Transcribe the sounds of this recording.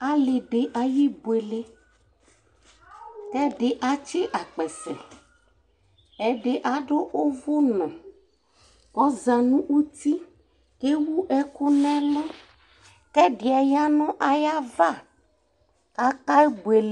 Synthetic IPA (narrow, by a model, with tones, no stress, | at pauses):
a˨˦le˨ɖe˨ʔa˨ji˦bo˨e˨le˦ | kɛ˦ɖe˨ʔa˦t͡ʃe˦ʔa˨k͡pɛ˨sɛ̰̃˨ | ɛ˨ɖe˨ʔa˨ɖo˦ʔo˦vo˦nɔ̃˨ | kɔ˦zã˨nũ˦u˦t̪i˦ | ke˦wu˦ʔɛ˦ku˦nɛ̃˦lɔ˦ | kɛ˦ɖe˨a˨ja˦nɔ̃˦ʔa˨ja˦va˦˨ | ka˦ka˦bo˨e˨l